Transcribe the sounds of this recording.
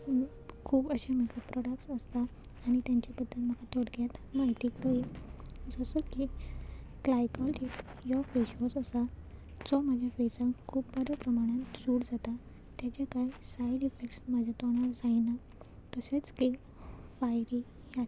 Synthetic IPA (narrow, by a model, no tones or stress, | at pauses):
kʰuːbəɕamekapɾɔɽəksəst̪aːɽ̃it̪jaɲt͡ɕabəd̪ʱːəlm̤əkat̪ʰoɽkjat̪maɦjt̪iːkləid͡zɔsəki | klajkɔli | jɔfeɕɔsəsa | d͡zɔmad͡ʑʱjafesãŋkkʰːuːbbəɾəpɾəmaɽ̃ãt̪d͡zuːɽd͡zat̪a | t̪jat͡ɕakajsaiɖifek̚ʈsmad͡ʑʱat̪ɔnaɽd͡zaina | t̪əset͡ski | fajɾi | ja